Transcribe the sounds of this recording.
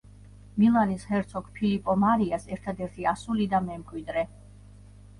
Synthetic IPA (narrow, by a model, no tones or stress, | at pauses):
milˠanishɛɾt̪sʰɔkʰpʰilipʼɔmaɾiasɛɾt̪ʰad̪ɛɾt̪ʰiasulid̪amɛmkʼwid̪ɾɛ